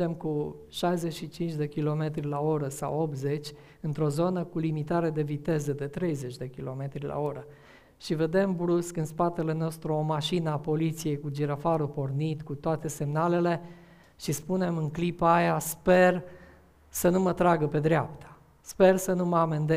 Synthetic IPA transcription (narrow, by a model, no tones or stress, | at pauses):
emkuʃajze̞t͡ʃʃit͡ʃint͡ʃʲd̪e̞kʲilo̞me̞t̪ɾilao̞ɾəsa̰wo̞p̚t̪ze̞t͡ʃʲ | ɨnt̪ɾo̞zo̞nəkulimit̪aɾe̞d̪e̞vit̪e̞zəd̪e̞t̪ɾe̞jze̞t͡ʃʲd̪e̞kʲilo̞me̞t̪ɾila̰o̞ɾə | ʃive̞d̪e̞mbluskɨnspat̪e̞le̞no̞st̪ɾuo̞maʃinəapo̞lit̪sije̞jkud͡ʒiɾafaɾupo̞rnit̪kut̪oat̪e̞se̞mnale̞le̞ | ʃispune̞mɨŋklipəajaspe̞r | sənumət̪ɾaɡəpe̞d̪ɾapt̪ʰḁ | spe̞rsənuməamend̪e